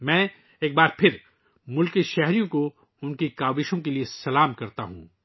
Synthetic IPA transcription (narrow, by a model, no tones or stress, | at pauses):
mɛ̃ː | eːk̚baːɾpʰɪɾ | mʊlkiʃɛɦɾijõko | ʊnkikaːbɪʃõkeliesɐlaːmkɐɾt̪a̰ɦṵ̃ː